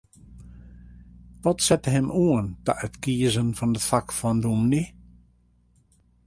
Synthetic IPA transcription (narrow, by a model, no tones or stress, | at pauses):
ʋɔtsɛtəɦɛmʔuəntə̰ʔətkiəzənfɔndətfakfɔndumni